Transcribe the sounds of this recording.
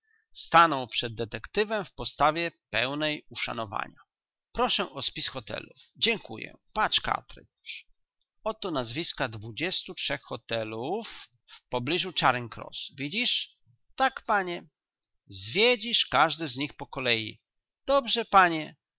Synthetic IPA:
st̪anɔ̃w̃pʂɛd̪ːɛt̪ɛkt̪ɘvɛmfpɔst̪avʲjɛpɛwnɛjuʂa̰nɔva̰ɲa | pɾɔʂɛʔɔspʲisxɔt̪ɛ̰lufd͡ʑɛŋkṵjɛ̰pat͡ʂka̰t̪ɾɪ̰ | ɔt̪ɔnazvʲiskad̪vud͡ʑɛst̪utʂɛxxɔt̪ɛlufː | pɔblʲiʐut͡ʂaɾɛnkɾɔ̰svʲid͡ʑiʂ | t̪akpaɲɛ | zvʲjed͡ʑiʂkaʐd̪ɘzɲixpɔkɔlɛjḭ | d̪̥ɔbʐɛpaɲɛ

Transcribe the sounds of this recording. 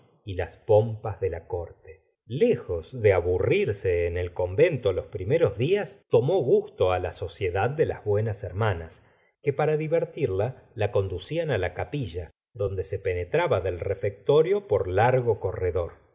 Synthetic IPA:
ilaspo̞mpazðelako̞ɾt̪e̥ | le̞xo̞zðe̞aβuriɾse̞ːnelko̞mbe̞nt̪olo̞spɾime̞ɾo̞zðiast̪o̞mo̞ɣust̪oalaso̞sje̞ðað̚ːe̞la̰zβwe̞naseɾmanas | kepaɾaðiβeɾt̪iɾlalako̞nd̪usianalakapiʒa | ðo̞nd̪e̞se̞pe̞net̪ɾaβaðe̞lrefek̚t̪o̞ɾjo̞po̞ɾlaɾɣoko̞reðo̞ɾ

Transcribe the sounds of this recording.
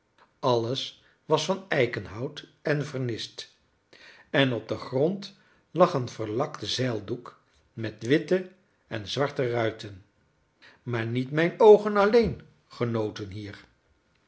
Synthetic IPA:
ɑləs | ʋɑsfɑnɛjkənɦɑwtɛnvəɹnɪst | ɛnɔb̚dəχrɔnt | lɑχənv̥əɹlɑktz̥ɛlˠduk | mɛtʋɪtə | ɛnzʋɑɹtərœɥtən | maːɹnitmɛjnowχənɑlejn | χənowtənɦiːɹ

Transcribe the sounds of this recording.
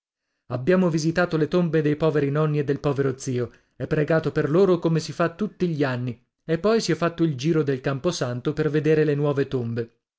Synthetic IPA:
abːjaːmovizit̪aːt̪olet̪ombed̪ejpɔːveɾinɔnːied̪ːelpɔːveɾot̪siːo | ɛpːɾeɡaːt̪operloːɾokomesifat̪ːut̪ːiʎianːi | epːɔjsiɛfːat̪ːoild͡ʒiːɾod̪elkamposant̪operved̪eːɾelenwɔːvet̪ombe

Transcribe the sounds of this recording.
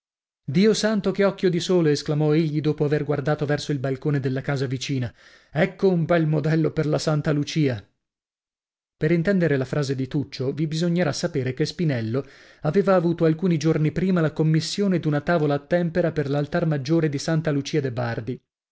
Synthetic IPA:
d̪iːosant̪okeɔkːjod̪isoːloesklamɔeʎːid̪oːpoaverɡward̪aːt̪ovɛrsoilbalkoːned̪elːakaːzavit͡ʃiːna | ɛkːoumbɛlmod̪ɛlːoperlasant̪alut͡ʃiːa | peɾint̪ɛnd̪eɾelafɾaːzed̪it̪ut͡ʃːovibizoɲːeɾasːapeːɾekespinɛlːo | aveːvaːvuːt̪oalkuːnid͡ʒornipɾiːmalakomːisːjoːned̪unat̪aːvolaːt̪ːɛmpeɾaperlalt̪armad͡ʒːoːɾed̪isant̪alut͡ʃiːad̪ebard̪i

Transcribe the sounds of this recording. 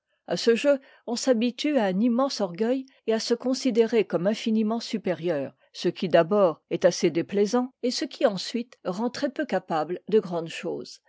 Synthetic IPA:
a̰səʒø | ɔ̃sabit̪yaɛ̃nimɑ̃sɔʁɡœj | easəkɔ̃sid̪eʁekɔmɛ̃finimɑ̃sypeʁjœːʁ | səkʲid̪abɔːʁɛt̪ased̪eplɛzɑ̃esəkʲʰiɑ̃sɥit̪ʁɑ̃t̪χɛpøkapabld̪əɡʁɑ̃d̪ʃo̰ːz̥

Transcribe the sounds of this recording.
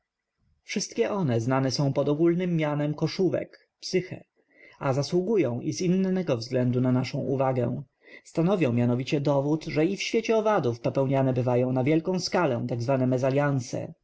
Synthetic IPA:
fʂɘst̪kʲɛʔɔnɛznanɛsɔ̃w̃pɔd̪ɔɡulnɘmːʲjanɛmkɔʂuvɛ̰k | psɘxɛ̰ | azaswuɡujɔ̃w̃ʔizinːɛɡɔvzɡlɛnd̪unanaʂɔ̃w̃ʔuvaɡɛ̰w̃ | st̪anɔvjɔ̃w̃mʲjanɔvʲit͡ɕɛd̪ɔvut̪ʐɛifɕfʲet͡ɕɛɔvad̪ufpɔpɛwɲanɛbɘvajɔ̃w̃navʲjɛlkɔ̃w̃skalɛt̪aɡzvanɛmɛzalʲjansɛ̰

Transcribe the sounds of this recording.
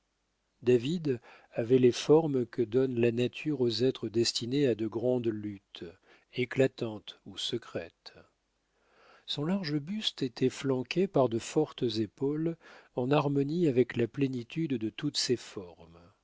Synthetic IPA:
d̪avid̪ | avɛlefɔʁmkəd̪ɔnlanat̪ʰyʁozɛt̪χəd̪ɛst̪inead̪əɡʁɑ̃d̪lyt̪ | eklat̪ɑ̃t̪usəkχɛt̪ | sɔ̃laʁʒəbyst̪et̪ʰɛflɑ̃kʲepaʁd̪əfɔʁt̪əzepolɑ̃naʁmɔniavɛklaplenit̪yd̪ːət̪ut̪sefɔʁm

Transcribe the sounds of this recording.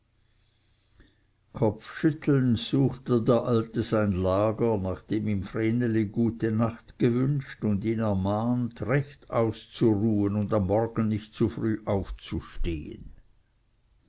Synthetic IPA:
kʰɔp͡fʃʏt̪l̩nz̥uːxtədeːɐʔaltəzaɪnlaːɡənaχd̥eːmimfreːnəliɡuːtənaχt̪ɡ̥əvʏnʃtʊndiːnɛɐmaːntʁɛçta̰ʊst͡suʁuːənʊnd̪amːɔrɡ̥ən̩nɪçt̚t͡sufʁyːʔaʊft͡suʃtḛːə̰n

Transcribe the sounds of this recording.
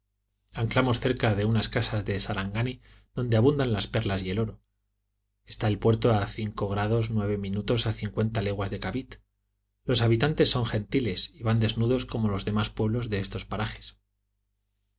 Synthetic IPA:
aŋklamo̞sθe̞ɾkaðe̞unaskasazðe̞saɾaŋɡani | ðo̞nd̪e̞aβund̪anlaspe̞ɾlasie̞lo̞ɾo | e̞st̪aelpwe̞ɾt̪o̞aθiŋko̞ɣɾað̞o̞znwe̞β̞e̞mĩnut̪o̞saθiŋkwe̞nt̪ale̞ɣwazðe̞kaβit̪ | lo̞saβ̞it̪ant̪e̞sːo̞ŋχẽ̞nt̪ile̞siβand̪e̞znuðo̞sko̞mo̞lo̞zðe̞maspwe̞βlo̞zðe̞est̪o̞spaɾaχe̞̥s

